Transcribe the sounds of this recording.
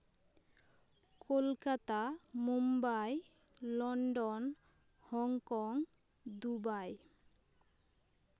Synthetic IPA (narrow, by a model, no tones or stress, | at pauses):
kʰolkat̪amumbaj | lɔɳɖɔn | hɔŋkɔŋ | d̪ubaj